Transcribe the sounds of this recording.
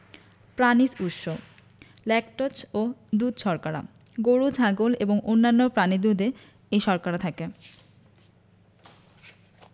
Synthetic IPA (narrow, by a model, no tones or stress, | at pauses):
pɾanisuʃo | lɛkʈot͡ɕod̪ud̪ʃɔɾkaɾa̰ | ɡoɾud͡ʑʱaɡoleboŋʔonːanːopɾanid̪ud̪e | ejʃɔɾkaɾat̪ʰake